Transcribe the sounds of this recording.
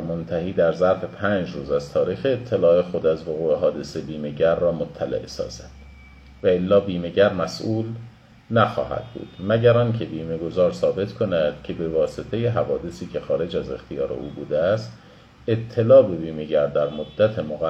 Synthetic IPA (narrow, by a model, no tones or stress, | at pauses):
mont̪ʰæhiːd̪æɾzæɾfe̞pʰæːnd͡ʒɾuːzæzt̪ʰɒːɾiːxeːt̪ʰːe̞lɒːe̞xo̞d̪æzvoɣuːeɦɒːd̪e̞sebiːme̞ɟæɾːɒːmot̪ʰːælḛʔesɒ̰ːz̥æd̪̥ | væelːɒːbiːme̞ɟæɾmæsʔuːl | næxɒ̰ːɦæ̰d̪̥̚bṵːd̪̥mæɟæɾɒːncʰe̞biːme̞ɡo̞zɒːɾsɒːbe̞t̪ʰkʰo̞næd̪̥cʰe̞be̞vɒːse̞t̪ʰe̞jeɦævɒːd̪e̞siːcʰe̞xɒːɾe̞d͡ʒæze̞̰xt̪ʰijɒːɾḛʔuːbuːd̪eæst̪ | et̪ʰːe̞lɒːbe̞biːme̞ɟæɾd̪æɾmod̪ːæt̪ʰe̞moɣæ